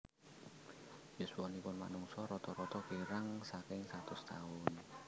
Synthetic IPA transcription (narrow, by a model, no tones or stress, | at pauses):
jusuɔnipʊnma̰nuŋsɔɾɔt̪ɔɾɔt̪ɔkeɾaŋsakɪŋsat̪ʊst̪aʊn